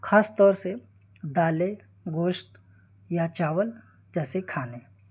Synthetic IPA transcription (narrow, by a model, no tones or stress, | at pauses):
xʰaːst̪ɔːɾse | d̪aːle | ɡoːʃt̪ | jat͡ʃaːʋəl | d͡ʒɛːsekʰaːneː